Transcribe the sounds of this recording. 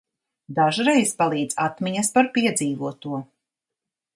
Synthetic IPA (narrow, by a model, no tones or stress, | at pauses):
d̪aʒɾejspalˠiːd̪z̥at̪miɲɐspaɾpiɛd̪ziːvuɔt̪uɔ